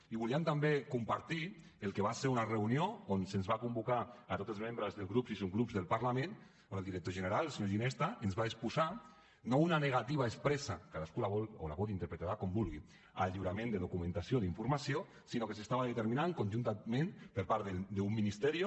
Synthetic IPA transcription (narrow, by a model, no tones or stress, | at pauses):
iβuliemt̪ambekumpaɾt̪i | elˠkeβ̞aseɾunareunioonsenzβakumbukaːt̪ot̪elzmembɾəzðelɣɾupsisoŋɡɾupzðelˠpaɾlamẽn | oelˠd̪iɾək̚t̪oʒeneɾalˠsiɲoʒinɛst̪aenzβaespuza | nounaneɣ̞at̪iβaespɾɛsakaðaskulaβɔlo̰la̰βɔðint̪əɾpɾet̪aɾakombulˠɣi | aʎiwɾamẽnd̪eðukumẽnt̪asioðiɱfuɾmasio | sinokesest̪aβaðet̪eɾminaŋkonʲʒunt̪amẽnpəɾpaɾðed̪eumːinist̪ɛɾi